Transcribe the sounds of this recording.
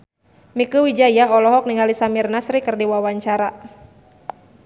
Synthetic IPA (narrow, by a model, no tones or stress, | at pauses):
mikuwid͡ʒajaɔlɔɦɔk̚niŋalisamirnasɾikɨrdiwawaɲt͡ʃaɾa